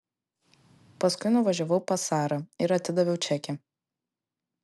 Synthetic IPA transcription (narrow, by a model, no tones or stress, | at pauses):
pɐskʊɪnʊʋɐʒʲoʋɐʊpɐsɑːɾɐɪɾɐt̪ʲɪd̪ɐʋʲɛʊt͡ʃʲɛkʲɛ